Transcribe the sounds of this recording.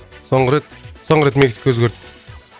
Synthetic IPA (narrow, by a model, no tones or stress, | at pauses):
soɴʁɾet̪soɴʁəɾet̪mekʲt̪ʲkʲwɵzɡʲeɾt̪ːɪ